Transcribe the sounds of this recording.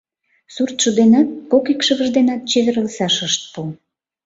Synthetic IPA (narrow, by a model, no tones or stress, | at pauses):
surt̪ʃud̪enɑt̪̚kokikʃəβəʒd̪enɑt̪̚t͡ɕeβĕɾəlsɑʃəʃt̪̚pu